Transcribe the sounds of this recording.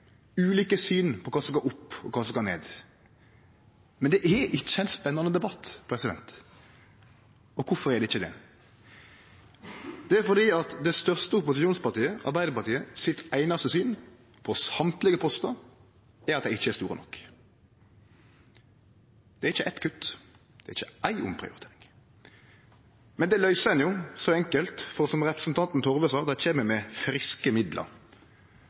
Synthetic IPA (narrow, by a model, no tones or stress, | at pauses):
ʉːliːkəsyːnpʰɔkʰɑːsɔsɡoːʁʊpːɔkʰɑːsɔsɡɑːnḛːd̪ | mɛnd̪ɛʔɛɪt͡ʃːəɛɪnspɛnːɑnəd̪ɛbɑt̪ːpʰɾɛsɪd̪ɛ̰nt̪ | ɔkʰʊfɔʁɛd̪ɛɪçːəd̪ɛ̰ | d̪̥ɛæɾfɔʁd̪iːɑt̪d̪ɛst̪œʁst̪əʊpʊsɪʃuːnspɑʁt̪iːəʔɑ̰ʁbæɪd̪əpɑʁt̪iːəsɪt̪æɪnɑst̪əsyːn | pʰɔsɑmt̪lɪɡəpʰɔst̪ɑ | ɛɾɑt̪d̪æɪɪçːəɛːsuːʁə̰nɔ̰k | d̪̥ɛɾɪçːəʔæt̪kʰʉt̪ː | d̪̥ɛːʁɪçːəæɪʔʊ̰mpʰʁɪ̰ʊ̰ɾɪt̪ʰeːʁɪŋ | mɛnd̪ɛlœʏsɛnjʊːsɔɛŋkəlt̪fɔʁsɔmʁɛpɾəsn̩t̪ʰɑnt̪n̩t̪ʰɔʁʋəsɑːd̪æt͡ʃʰeːməmɛfɾɪskəmɪd̪lʔə̰ɾ